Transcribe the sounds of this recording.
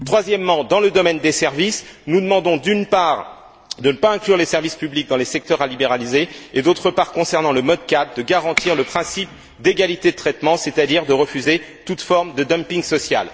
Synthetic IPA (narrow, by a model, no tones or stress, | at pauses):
t̪χwazjɛmːɑ̃d̪ɑ̃ləd̪ɔmɛnd̪esɛʁvisnud̪əmɑ̃d̪ɔ̃d̪ynpaʁ | d̪ənəpaɛ̃klyʁlesɛʁvispyblik̚d̪ɑ̃lesɛk̚t̪œʁalibeʁalizeed̪ot̪χəpaʁkɔ̃sɛʁnɑ̃ləmɔd̪̚kad̪̚d̪əɡaʁɑ̃t̪iʁləpχɛ̃sip | d̪eɡalit̪ed̪ət̪χɛt̪mɑ̃set̪ad̪iʁd̪əʁəfyzet̪ut̪fɔʁmd̪əd̪ampiŋɡsɔsja̰l